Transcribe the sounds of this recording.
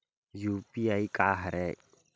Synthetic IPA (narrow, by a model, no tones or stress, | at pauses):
juːpiaikaːɦəɾɛ